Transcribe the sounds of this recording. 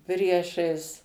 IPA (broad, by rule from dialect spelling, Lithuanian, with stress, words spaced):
ˈpʲrʲiɛʃɐɪs